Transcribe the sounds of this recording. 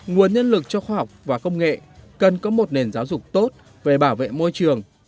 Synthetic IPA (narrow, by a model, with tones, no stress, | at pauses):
ŋu˨˩ənɲə˧nlɨ˨˩k̚t͡ɕɔ˧xwaː˧ɦɔ˨˩wk͡p̚vaː˨˩kə˧wŋ͡mŋḛ˧˨kə˨˩nkɔ˨˦mo˨˩t̚ne˨˩nzaː˨˦wzʊ˨˩k͡p̚t̪o˦˥t̚ | ve˨˩ɓaː˧˩wvḛ˧˨mo˧jt͡ɕɨ˨˩əŋ